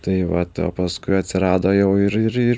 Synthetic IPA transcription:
t̪ɐɪʋɐt̪o̰ːpɐskʊɪɐt̪ʲsʲɪɾɑːd̪oːjɛʊɪɾɪɾɪɾ

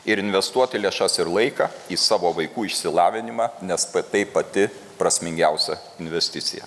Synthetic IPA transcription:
ɪɾɪnʲʋʲɛst̪uɔt̪ʲɪlʲeːʃɐsɪɾlˠɐɪkɐiːsɑːʋoːʋɐɪkuːɪʃʲsʲɪlˠɑːʋʲɪnʲɪmɑːnʲɛspt̪ɐɪpɐt̪ʲɪ | pɾɐsʲmʲɪŋʲɡʲɛʊsʲɛ | ɪnʲʋʲɛsʲt̪ʲɪt̪sʲɪ̰jɛ̰

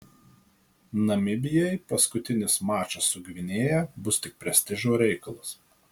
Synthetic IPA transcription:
nɐmʲɪbʲɪjɛɪpɐskʊt̪ʲɪnʲɪsmɑːt͡ʃɐsːʊɡʲʋʲɪnʲeːjɛbʊst̪ʲɪk̚pʲɾʲɛsʲt̪ʲɪʒoːɾʲɛɪkɐlˠʊs

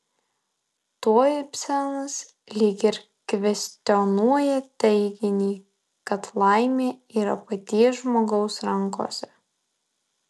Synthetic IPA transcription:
t̪oːjɪpʲsʲɛnɐs | lʲiːkʲɪɾ | kʋʲɛsʲt̪ʲɔnuɔjɛt̪ʲɛɪɡʲɪnʲiː | kɐt̪lˠɑˑɪmʲeːiːɾɐpɐt̪ʲiɛʒmoːɡɒʊsɾɐŋˑko̰ːsʲɛ

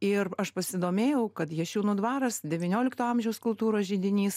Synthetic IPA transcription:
ɪrɐʃpɐsʲɪd̪oːmʲeːjɛʊkɐt̪jɛɐʃʲuʊnʊːd̪ʋɑːɾɐsd̪ʲɛʋʲɪnʲoːlʲɪkt̪oːɐmʲʒʲɛʊskʊlˠt̪uːɾoːʒʲiːd̪ʲɪnʲiːs

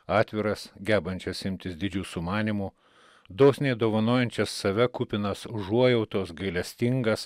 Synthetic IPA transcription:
ɑːt̪ʲʋʲɪɾɐsɡʲæːbɐnʲt͡ʃʲɛsɪmʲt̪ʲɪsd̪ʲɪd͡ʒʲuːsʊmɑːnʲimu | d̪oːsʲnʲeːd̪oːʋɐnoːjɛnʲt͡ʃʲɛsːɐʋʲɛkʊpʲɪnɐsʒuɔjɛʊt̪oːsɡɐɪlʲɛsʲt̪ʲɪŋɡɐs

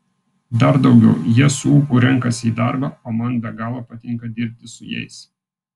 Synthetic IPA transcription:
d̪ɐɾd̪ɒʊɡʲɛʊjiɛsʊuːkuːɾʲɛŋˑkɐsʲiːd̪ɑˑɾbɑːoːmɐnbʲɛɡɑːlˠoːpɐt̪ʲɪŋˑkɐd̪ʲɪɾʲp̚ʲt̪ʲɪsʊjɛ̰ɪs

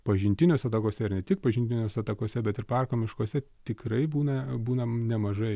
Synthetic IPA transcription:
pɐʒʲɪnʲt̪ʲɪnʲoːsʲɐt̪ɐkoːsʲɛɪɾnʲɛt̪ʲɪk̚pɐʒʲɪnt̪ʲɪnʲoːsʲɐt̪ɐkoːsʲɛbʲɛt̪ɪɾpɐrkoːmʲɪʃkoɔsʲɛt̪ʲɪkɾɐɪbuːnɐbuːnɐnʲɛmɐʒɐɪ

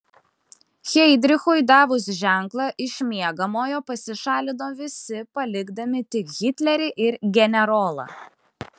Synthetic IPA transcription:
xʲɛɪd̪ʲɾʲɪxʊɪd̪ɑːʋʊs̬ʒʲæˑŋklˠɐʔɪʃʲmʲiɛɡɐmoːjoːpɐsʲɪʃɑːlʲɪd̪oːʋʲɪsʲɪpɐlʲɪɡd̪ɐmʲɪt̪ʲɪkɣʲɪt̪ʲlʲɛɾʲɪʔɪɾɡʲɛnʲɛɾɔːlˠɐ̰

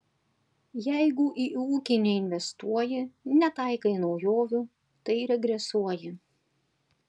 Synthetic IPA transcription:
jɛɪɡʊʔiuːkʲɪnʲeɪnʲʋʲɛst̪uɔjɪnʲɛt̪ɐɪkɐɪnɒʊjoːʋʲʊ | t̪ɐɪɾʲɛɡɾʲɛsuɔjɪ

